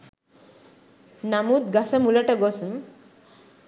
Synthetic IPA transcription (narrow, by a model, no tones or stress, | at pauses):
namut̪ɡasamulaʈaɡɔsm